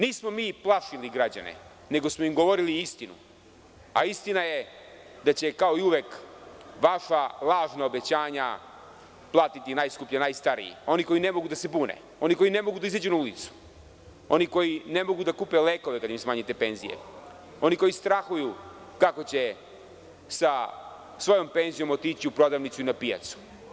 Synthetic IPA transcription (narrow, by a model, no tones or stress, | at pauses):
niːsmo̞miːplˠaʃiliɡɾad͡ʑa̰nḛ | ne̞ɡo̞smo̞imɡo̞ʋo̞ɾiliist̪inṵ | a̰ist̪inaje̞ | d̪at͡ɕe̞kao̞iuʋjekʋaʃalˠaːʒnaobe̞t͡ɕaːɲa | plˠaːt̪it̪inaːjskupʎanajst̪aɾḭjḭo̞niko̞jine̞mo̞ɡud̪ase̞buːnḛ | o̞niko̞jine̞mo̞ɡud̪aizad͡ʑunaulit̪su̥ | o̞niko̞jine̞mo̞ɡud̪akuːpeleːko̞ʋekad̪jimsmaːɲit̪e̞pe̞nzḭjḛ | o̞niko̞jist̪ɾaxuju | kako̞t͡ɕe̞ | sa | sʋo̞jo̞mpe̞nzijo̞mot̪it͡ɕiupɾo̞d̪aʋnit̪suinapija̰t̪su̥